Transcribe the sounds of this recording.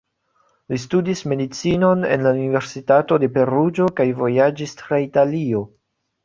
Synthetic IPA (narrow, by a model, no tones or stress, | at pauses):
listudisme̞dit͡sino̞nḛnlaunive̞ɾsitato̞de̞pe̞ɾud͡ʒo̞kajvo̞jad͡ʒistɾaitalio̞